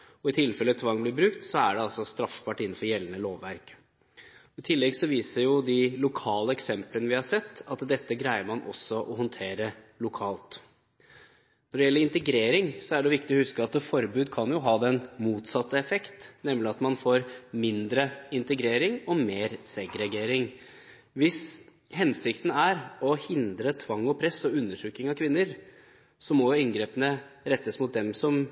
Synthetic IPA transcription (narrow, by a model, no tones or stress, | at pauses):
ɔɪt̪ʰɪlfɛlət̪ʰʋɑŋːblɪɾbɾʉkt̪sɔæ̰ɖɛɑlsɔst̪ɾɑfːbɑːʈɪnːn̩fɔɾjɛlːənəloːʋːæɾk | ɔɪt̪ʰɪlːɛɡsɔʋiːsəɾjʊd̪ɪlʊkʰɑːləɛksɛmplənəʋɪhɑʂɛt̪ːɑt̪d̪ɛt̪ːəɡɾæɪəɾmɑnʔɔ̰sːɔʔɔɦɔnt̪ʰeːɾə | lʊkʰɑːlt̪ | nɔɖɛjɛlːəɾɪnt̪əɡɾeːɾɪŋsɔæɖɛʋɪk̚t̪ɪɔhʉskəɑt̪fɔɾbʉːd̪kʰɑnjʊɦɑːd̪ɛnmuːt̪sɑt̪ːəɛfɛkt̪nɛmlɪɑt̪mɑnfoːɾmɪnd̪ɾəɪnt̪əɡɾeːɾɪŋɔmeːɾsɛɡɾɛɡeːɾɪŋ | ʋɪs | ɦɛnsɪkt̪n̩æɾɔhɪnd̪ɾət̪ʰʋɑŋːɔpʰɾɛsɔʉnːəʈʰɾʉkːɪŋɑkʰʋɪnːəɾ | sɔmɔjʊɪnɡɾeːpənəɾɛt̪ːəsmʊt̪̚d̪ɛmsɔm